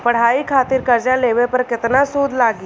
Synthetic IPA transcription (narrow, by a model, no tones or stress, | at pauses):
pɐɽ̤aːikʰaːt̪ɪɾkɐɾd͡ʒaleːʋepɐɾkɪt̪nasuːd̪ʱlaːɡi